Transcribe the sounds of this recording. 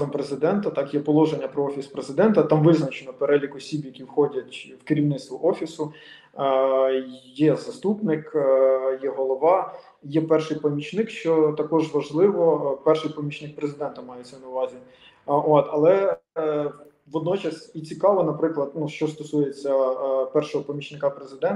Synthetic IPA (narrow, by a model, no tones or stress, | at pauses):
zɐmpɾezɪd̪ɛnt̪ɐt̪ɑkjɛpɔlˠɔʒenʲːɐpɾɔɔfʲispɾezɪd̪ɛnt̪ɐt̪ɑmʋɪznɐt͡ʃenɔpeɾɛlʲikɔsʲibjɐkʲiwxɔdʲɐtʲwkɪɾʲiwnɪt̪t̪ʋɔʔɔfʲisʊ | jɛzɐst̪upnɪkjɛɦɔlˠɔʋɑ | jɛpɛrʃɪjpɔmʲit͡ʃnɪkʃt͡ʃɔt̪ɐkɔʒʋɐʒlˠɪʋɔpɛrʃɪjpɔmʲit͡ʃnɪk̚pɾezɪd̪ɛnt̪ɐmɑjet͡sʲɐwnɐʊʋɑzʲi | ot̪ɐlˠɛ | ʋɔd̪nɔt͡ʃɐsʲit͡sʲikɑʋɔnɐpɾɪklˠɐd̪nuʃt͡ʃɔst̪ɔsujet͡sʲːɐpɛrʃɔɦɔpɔmʲit͡ʃnɪkɑpɾezɪd̪ɛn